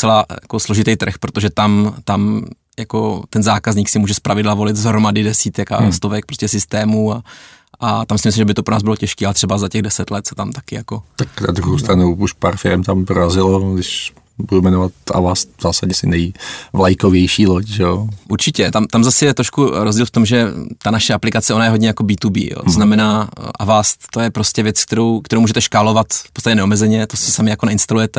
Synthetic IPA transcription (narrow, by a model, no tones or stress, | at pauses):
t͡sɛlaːjakoslo̞ʒɪt̪ɛjt̪r̩xpɾot̪oʒɛt̪amt̪am | jakot̪ɛnzaːkazɲiːksɪmuːʒɛspɾavɪdlavo̞lɪt̪zɦɾomadɪdɛsiːt̪ɛka̰st̪ovɛk̚pɾoscɛsɪst̪ɛːmua | ʔat̪amsɪmɪslimʒɛbɪt̪opɾonaːzbɪlocɛʃkiːalɛt̪r̥ɛbazacɛɣdɛsɛt̪lɛt̪sɛ̥t̪amt̪akɪjakot̪akna̰d̪ɾuɦowst̪ɾanuuʃpaːɾfɪɾɛmt̪ampɾoɾazɪloɡdɪʃ | budumɛnovat̪ʔa̰vast̪̚vzaːsaɟɲɛsɪnɛjvlajkovjɛjʃiːlocʒɛoʔuɾt͡ʃɪcɛt̪amt̪amzasɪjɛt̪ɾoʃkuɾozɟiːlft̪omʒɛt̪anaʃɛʔaplɪkat͡sɛo̞najɛɦo̞dɲɛjako̞biːt̪ubḭːjo̰ːt̪oznamɛnaːʔavast̪t̪ojɛpɾoscʲɛvjɛt͡sk̚t̪ɛɾowkt̪ɛɾowmuʒɛt̪ɛʃkaːlo̞vat̪fpot͡st̪acɛnɛomɛzɛɲɛt̪ossɪsamɪjako̞nɛɪnst̪alujɛt̪ɛ